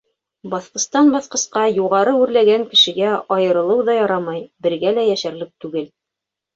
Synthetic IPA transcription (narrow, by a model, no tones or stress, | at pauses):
bɑθqɤ̆st̪ɑnbɑθqɤ̆sqɑjuʁɑɾɤʉɾlæɡæŋkɘ̆ʃɘ̆ɡæɑjɤ̆ɾɤ̆lˠɤwðɑjɑɾɑmɑjbɘ̆ɾɡælæjæʃæɾ̆lɘp̚t̪ʉɡɘl